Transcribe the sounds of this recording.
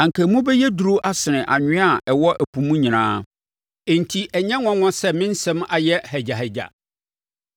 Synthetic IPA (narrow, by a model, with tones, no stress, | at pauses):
ã˨ŋ̩˨kʰæ˨mũ˦bɛ˦jɛ˦du˨ɾu˦ʔa˦sɪ˨nɪ̃˨ʔa˨ɲᶣɪ̃˦a˦˨ʔɛ˨wɔ˦ʔæ˨pʰũ˨mũ˦ɲĩ˨nãː˦ | e˨n˨tʰi˦ʔɛ˨ɲɛ̃˦ŋɔ̃˦ŋɔ̃˦sɛ˦mɪ̃˦n̩˦sɛ̃˦ma˨jɛ˦hɛ˨d͡ʑa˨hɛ˨d͡ʑa̰˨